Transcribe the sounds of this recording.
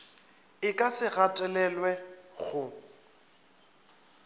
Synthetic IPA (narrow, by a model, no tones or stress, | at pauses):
ɪkʼasɪɣatʼɛlɛlwɛɣʊ